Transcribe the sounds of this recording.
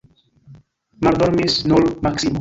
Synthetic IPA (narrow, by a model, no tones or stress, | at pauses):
maɾd̪oɾmesnolmaksimo